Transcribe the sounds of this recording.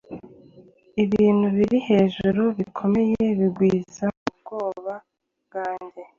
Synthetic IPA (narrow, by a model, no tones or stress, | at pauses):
iβiːn̥huβiɾihe̞ːʒuɾuβikʰo̞me̞je̞βiɡwiːzaub̚ɡ̥o̞ːβa | ɡaːɲɟe